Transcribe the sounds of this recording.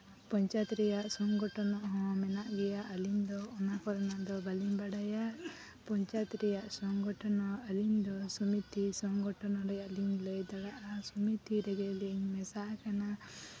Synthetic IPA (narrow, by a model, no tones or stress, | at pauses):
pɔɲt͡ʃat̪ɾɛjaʔsɔŋɡɔʈɔnɔʔɦɔ̃mɛnaʔɡɛjaʔalind̪ɔːnakɔɾɔnaʔd̪ɔbalimbaɽaja | pɔɲt͡ʃat̪ɾɛjaʔsɔŋɡɔʈɔnɔalind̪ɔsumit̪isɔŋɡɔʈɔnɔɾɛjaʔlinled̪aɽaʔasumit̪iɾɛɡɛlɛŋmɛsaʔakana